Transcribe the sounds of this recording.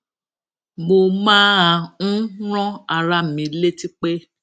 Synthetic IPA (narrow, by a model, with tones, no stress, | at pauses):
mo˧mãː˦ã˧ñ̩˦ɾ̃ɔ̃˦a˧ɾa˦˨mĩ˨˧le˦ti˦k͡pe˦